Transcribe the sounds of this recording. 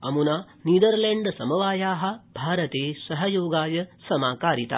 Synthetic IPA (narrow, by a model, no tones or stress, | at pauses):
ɐ̰munaː | niːd̪ɐɾleɳɖsɐmɐʋaːjaːɦɐ̆bʱaːɾɐt̪eːsɐɦɐjoːɡaːjɐsɐmaːkaːɾit̪a̰ː